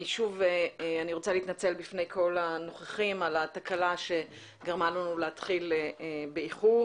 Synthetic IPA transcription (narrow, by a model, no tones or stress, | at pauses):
ʃuveaniʁo̞t͡saliːt̪nat͡se̞lbifne̞jkʰo̞lano̞χeχimalat̪akalaʃe̞ | ɡaʁmalanulehatχilbeiχu